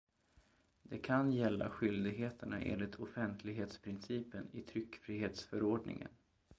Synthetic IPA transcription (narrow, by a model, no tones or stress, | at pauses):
d̪ɛkʰanjɛlːa̰ɧʏld̪ɪɡɦeːt̪əɳaʔḛːnlɪt̪ʰɔfɛnt̪ʰlɪɡɦeːt̪spʰɾɪnsiːpənɪt̪ʰɾʏkːfɾiːɦeːt̪sfœɾoːɖɳɪ̰ŋə̰n